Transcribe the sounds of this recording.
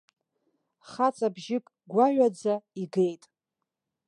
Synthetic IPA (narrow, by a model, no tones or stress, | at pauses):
χat͡sʼabʒɪkʼ | ɡʷaʕʷᶣad͡zaiɡe̞jtʼ